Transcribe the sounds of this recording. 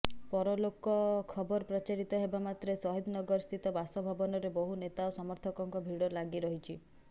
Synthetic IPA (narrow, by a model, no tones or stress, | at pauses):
pɔɾɔlokɔkʰɔbɔɾɔpɾɔt͡ʃaɾit̪ɔɦebamat̪ɾesɔɦid̪nɔɡɔɾɔst̪ʰit̪ɔbasɔbʱɔbɔnɔɾebɔɦunet̪aosɔmɔɾt̪ʰɔkɔŋkɔbʱiɽɔlaɡiɾɔɦit͡ʃʰi